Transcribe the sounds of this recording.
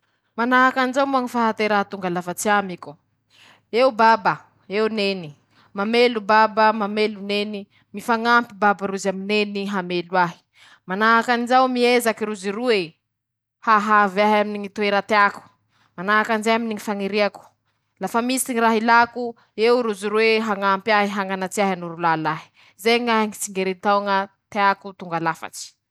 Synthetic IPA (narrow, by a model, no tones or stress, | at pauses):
manaɦakanizawmuaŋifaɦat̪eɾat̪uŋɡalafat͡siamiku | eubaba | ewneni | mamelubabəmameluneni | mifaŋampibabaɾuzamineniɦamelwaɦi̥ | manaɦakanizawmiezakiɾuzirue | haɦavaɦjaminiŋit̪ueɾat̪eaku̥ | manaɦakanzaaminiŋifaŋiɾiaku̥ | lafamisiŋiraɦilaku | ewɾuziɾweɦaŋampaɦiɦaŋanat͡siaɦanuɾulalaɦi̥ | zeŋaŋit͡siŋɡeɾent̪awŋa | t̪eakut̪uŋɡalafa̰ʈ͡ʂi̥